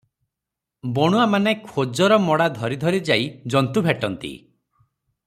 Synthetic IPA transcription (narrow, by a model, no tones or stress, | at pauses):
bɔɽ̃uamanekʰod͡ʒɔɾɔmɔɽad̪ʱɔɾid̪ʱɔɾid͡ʒajd͡ʒɔnt̪ubʱeʈɔnt̪ḭ